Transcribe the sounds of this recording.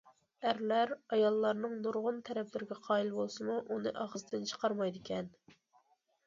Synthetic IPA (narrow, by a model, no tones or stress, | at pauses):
æɾlæɾɑjɑlˠːɑɾnɨŋnuɾʁʊnt̪ʰɛɾɛplɪɾɪɡʲɛqʰɑːilbolˠsɨmuʔunɨʔɑʁəzt̪ɪnt͡ʃʰə̥qʰɑɾmɑjd̪ɪkʲʰɛn